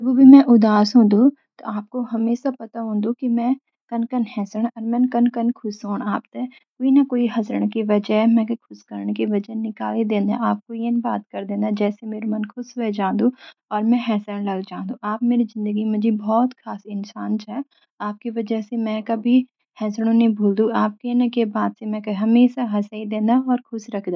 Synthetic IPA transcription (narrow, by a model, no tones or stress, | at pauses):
d͡ʒɐbubʱimɛ̃ʔʊd̪aːsɦũːnd̪ũ | t̪o̰ʔaːp̚koɦɐmeːʃapɐt̪aɦũːnd̪ũkimɛ̃ | kɐnkənɦɛːsəɽ̃ɔːɾmɛ̃nkɐnkənkʰʊsoːɽ̃aːp̚t̪e | koːinakoːiɦɐzɾəɽ̃kiʋɐd͡ʒəɦmɛ̃kkʰʊskəɾɳkiʋɐd͡ʒəɦnɪka̰ːlid̪ẽːnd̪a̰aːp̚kojenbaːt̪̚kɐɾd̪ẽːnd̪ad͡ʒɛːsemeːɾemɐnkʰʊsɦoed͡ʒãːnd̪ũːɔːɾmɛ̃ɦɛːsɾəɽ̃lɐɡd͡ʒãːnd̪ũʔaːp̚meːɾizɪ̃nd̪əɡimɐ̃d͡ʒibɔːt̪kʰaːsɪnsaːnt͡ʃa | aːp̚kiʋɐd͡ʒəɦsemɛ̃kɐbʱi | hɛːsɽ̃õnɐĩbʱuːld̪ũaːp̚kenəkebaːd̪semɛ̃kɐɦɐmeːʃaɦɐsaːid̪ẽːnd̪aɔːɾkʰʊsɾɐkʰd̪a